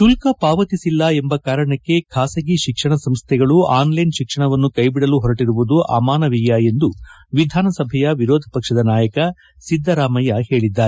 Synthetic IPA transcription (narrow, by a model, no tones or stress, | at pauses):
ʃulkɐpaːʋɐt̪isilːɐembɐkaːɾɐɳɐkːe̞kʰaːsɐɡiʃikʂɐɳɐsɐmst̪ʰɛɡɐɭuaːnlɐjnʃikʂɐɳɐʋɐnːukɐjbiɽɐluɦɔɾɐʈiɾuʋud̪uʔa̰ːmaːnɐʋijjae̞nd̪uʋid̪ʱaːnɐsɐbʱɛjɐʋiɾoːd̪ʱɐpɐkʂɐd̪ɐnaːjɐkɐ | sid̪ʱːɐɾaːmɐjɐhe̞ːɭid̪ːaːɾe